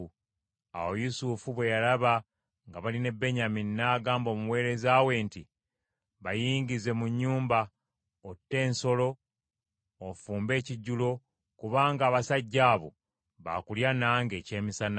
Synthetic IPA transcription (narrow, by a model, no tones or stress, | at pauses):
a̰wo̞jusufuβwe̞jalaβa | ŋɡaβaline̞bːe̞ɲaminːaːɡaːmbo̞muwe̞ːɾe̞zaːwe̞ːnti | βajiːɲɡize̞muɲːuːmba | otːe̞ːnso̞lo̞ | fuːmbe̞ːciɟːulo̞ | kuβaːŋɡaːβasaɟːaːβo̰ | βa̰kuljanaːŋɡe̞ːce̞ːmisana